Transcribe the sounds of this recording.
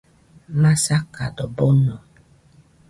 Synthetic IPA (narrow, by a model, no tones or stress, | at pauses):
masaka̰dɔbɔnɔ